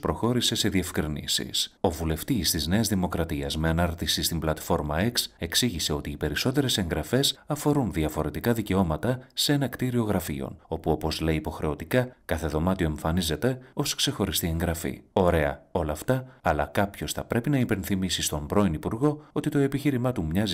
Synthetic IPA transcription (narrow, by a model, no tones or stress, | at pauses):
spɾo̞xo̞ɾise̞se̞ðie̞fkɾinḭsḭso̞vule̞ft̪ist̪izne̞ɐzðimo̞kɾɐt̪iɐzme̞ɐnɐɾt̪isist̪imblɐt̪fo̞ɾmɐekse̞ksiʝise̞o̞t̪iːpe̞ɾiso̞t̪e̞ɾe̞se̞ŋɡɾɐfe̞sɐfo̞ɾunðiɐfo̞ɾe̞t̪ikɐðice̞o̞mɐt̪ɐsee̞nɐkt̪iɾio̞ɣɾɐfḭo̰no̞puo̞po̞zle̞iːpo̞xɾe̞o̞t̪ikɐkɐθe̞ðo̞mɐt̪io̞e̞ɱfɐnize̞t̪e̞o̞skse̞xo̞ɾist̪ie̞ŋɡɾɐfḭo̞ɾe̞ɐ̰o̞lɐft̪ɐɐlɐkɐpço̞sθɐpɾe̞pinɐipe̞nθimisist̪o̞mbɾo̞inipuɾɣo̞o̞t̪it̪o̞e̞piçiɾimɐt̪umɲɐz